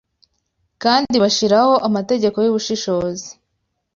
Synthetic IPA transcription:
kaːndiβaʃiɾaho̞ʔamate̞ɟe̞ko̞juβuʃiʃo̞ːzi̥

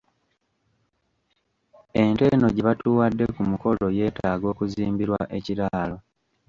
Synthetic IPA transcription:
e̞nte̞no̞ɟeβatuwadːe̞kumuko̞lo̞je̞ːtaːɡo̞ːkuziːmbiɾwa̰ʔe̞ciɾaːlo̞

